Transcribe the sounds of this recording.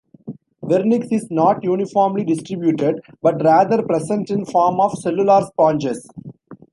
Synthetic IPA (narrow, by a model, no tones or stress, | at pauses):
ʋɛɾnɪksɪznɔːʈjuːnɪfɔːɾmliɖɪsʈɾɪbjuːʈeɖ | bʌʈɾæːd̪əɾpɾesə̃ɳʈɪ̃nfɔːɾmɔːʋsɛlʊlaːɾspɔ̃ːnd͡ʒes